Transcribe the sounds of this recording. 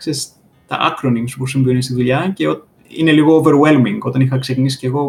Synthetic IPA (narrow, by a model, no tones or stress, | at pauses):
ses | t̪ɐ̰ʔɐ̰kɾoniŋsupusimbio̞nist̪iðuʎɐceo | ḭneliɣo̞ːveɾwelmiŋɡo̞t̪ɐnixɐksecinisi̥ceɣo̞